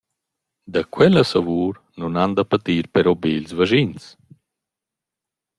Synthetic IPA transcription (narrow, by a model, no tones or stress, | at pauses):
d̪əkwɛləsəvuːɾ | nunand̪əpat̪iːɾpɛɾɔbelzvəʒins